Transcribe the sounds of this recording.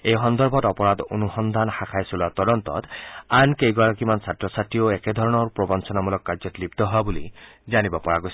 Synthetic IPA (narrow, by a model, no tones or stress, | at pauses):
ejxɔnd̪ɔɹbʱɔtɔpɔɹad̪o̰nuxɔnd̪ʱanxakʰajsulat̪ɔdɔnt̪ɔ̰t̪ankejɡwaɹakimansatɹɔsatioɛkɛd̪ʱɔɹɔnɔɹpɹɔbɔnsɔnamulɔkːazɔtlibt̪ɔɦɔabulizanibɔpɔɹaɡojs